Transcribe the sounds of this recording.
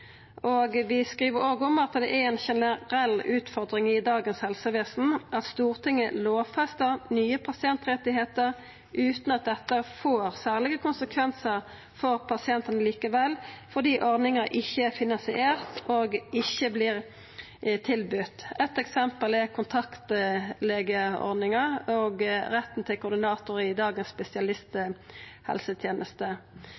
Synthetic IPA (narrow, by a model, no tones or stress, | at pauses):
oɡʋɪskʁiːʋəɾoːɡəɔmɑt̪d̪ɛ̰ʔæɛnʃɛnəʁɛlːʉːt̪fɔʁd̪ɾɪŋɪd̪ɑːɡənshɛlsəʋeːsn̩ɑt̪st̪uːʁt̪ʰɪŋːəloːʋfɛst̪əʁnyːəpʰɑsɪɛnt̪ʁɛt̪ɪɦeːt̪əʁ | ʔʉːt̪nɑt̪̚d̪ɛt̪ːəfoːʁsæːʁlɪɡəkʰʊnsəkʰʋɛnsəʁ | fɔʁpʰɑsɪɛnt̪ənəliːkəʋɛlːfɔʁd̪iːʔɔʁd̪nɪŋəʔɪçːəɛfɪnɑnsɪʔeːʁt̪oːɡɪçːəblɪːʁ | t̪ʰɪlbʏt̪ɛt̪ɛksɛmpəlɛkʰʊnt̪ʰɑkt̪leːɡəɔ̰ʁdnɪŋəoːɡʁɛt̪ːn̩t̪ʰɪlkʊːd̪ɪnɑːt̪ʊʁɪd̪ɑːɡənsspɛsɪɑlɪst̪hɛ̰lsət̪ʰjeːnʔəst̪ə